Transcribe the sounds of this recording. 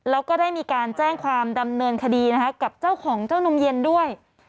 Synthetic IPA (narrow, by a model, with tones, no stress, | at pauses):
lɛː˦˥wkɔː˥˩daː˥˩jmiː˧kaː˧nt͡ɕɛː˥˩ŋkʰwaː˧mda˧mnɤː˧nkʰa˧diː˧n˦˥kʰa˦˥ka˨˩p̚t͡ɕaː˥˩wkʰɔː˩˦ŋt͡ɕaː˥˩wno˧mje˧ndu˥˩əj